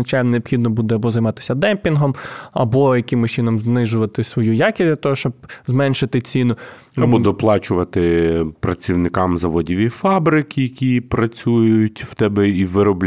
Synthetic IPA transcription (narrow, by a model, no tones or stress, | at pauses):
ɐt͡ʃajnneɔbxʲid̪nɔbud̪ɛɐbɔzɐjmɑt̪ɪ̥sʲɐd̪ɛmpʲinɦɔmɐ̰bɔjɐkɪmʊt͡ʃɪnɔmznɪʒʊʋɐt̪ɪsʋɔjujakʲɪsʲdʲlʲɐt̪ɔɦɔʃt͡ʃɔb̚zmɛnʃɪt̪ɪt͡sʲinʊ | ɐbbɔd̪ɔplˠɑt͡ʃʊʋɐt̪ɪpɾɐt͡sʲiwnɪkɑmzɐʋɔdʲiʋʲifɑbɾɪkʲijɐkʲipɾɐt͡sʲujʊjʊtʲw̥t̪ɛbɛiʋɪɾɔblʲ